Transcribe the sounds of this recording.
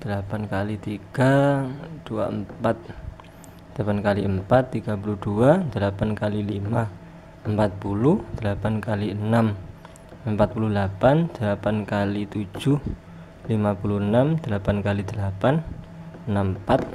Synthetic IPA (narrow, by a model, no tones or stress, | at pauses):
d̪̥əlapankalit̪iɡ̥ad̪̥ua̰əmpat̪̚ | dd̪əlapankaliəmpat̪ːiɡapulud̥uad̪̥əlapankalilima | əmpat̪̚pulud̪̥əlapankaliənam | əmpat̪̚puludəlapand̪̥əlapankalit̪u̥d͡ʒuh | limapuluənamd̪̥əlapankalid̪̥əlapan | ənampat̪̚